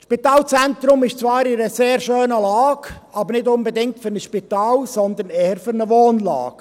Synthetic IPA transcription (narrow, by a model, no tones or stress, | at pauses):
ʃpit̪ɑːlt͡sɛnt̪ɾʊmɪʃt͡sʋɑːɾɪɾəseːɾʃøːnəlɑːɡɑbəɾnɪdʊnbɛdɪŋk̚tfʏɾnəsʃpitɑːlsɔnd̪ənɛːhəɾfʏɾnəʋoːnlɑ̰ːɡ̥